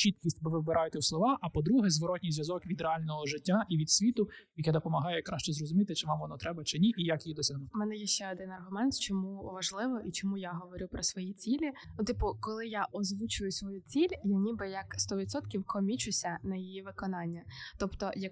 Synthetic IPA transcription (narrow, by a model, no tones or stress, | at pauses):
t͡ʃit̪̚kʲisʲtʲbɪʋɪbɪɾʔɑjɛt̪ɛwsˠɔʋɑʔɐpɔd̪ɾuɦɛzʋɔɾɔtʲnʲijzʋjɐzɔkʋʲid̪ɾɛɑlʲnɔɦɔʒɪtʲːaʔiʋʲid̪sʲʋʲit̪ʊjɐkɛd̪ɔpɔmɐɦɑjɛjkɾɑʃt͡ʃɛzɾɔzʊmʲit̪ɪt͡ʃɪʋɑmʋɔnɔt̪ɾɛbɐt͡ʃɪnʲiʔijakjid̪ɔsʲɐɦnumɛnɛjɛʃt͡ʃɛɔd̪ɪnɐrɦʊmɛnt̪t͡ʃɔmuʋɐʒlˠɪʋɔʔit͡ʃɔmujaɦɔʋɔɾʲupɾɔsʋɔjit͡sʲilʲiʊt̪ɪpʊkɔlˠɪjaʔɔzʋut͡ʃʊjʊsʋɔjut͡sʲilʲjanʲibɪjɐkst̪ɔʋʲid̪sɔt̪kʲiwkɔmʲit͡ʃʊsʲɐnɐjijiʋɪkɔnɑnʲːɐt̪ɔpt̪ɔjɐk